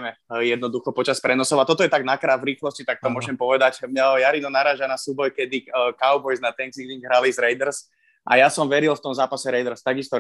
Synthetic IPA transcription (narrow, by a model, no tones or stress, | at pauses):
mɛjɛd̪nɔd̪uxɔpɔt͡ʃaspɾɛnɔsɔʊat̪ɔt̪ɔjɛt̪aɡnakɾaːvɾiːxlɔscit̪ak̚t̪ɔmʊɔʒɛmpɔʋɛd̪acmɲɛjaɾinɔnaɾaːʒanasuːbɔjkɛd̪ikaʊbɔjznat̪ɛŋsiɡliŋɡɦɾalizɾɛjd̪ɛɾs | ʔa̰jasɔmʋɛɾilft̪ɔmzaːpasɛɾɛjd̪ɛɾst̪aɡist̪ɔ